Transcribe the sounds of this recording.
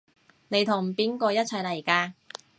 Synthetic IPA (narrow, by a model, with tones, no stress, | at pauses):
ne˨˧jt̪ʰʊ˨˩ŋpiː˨˥nkɔː˧jɐ˥t̚t͡sʰɐ˨˩jlɐ˨˩jkaː˧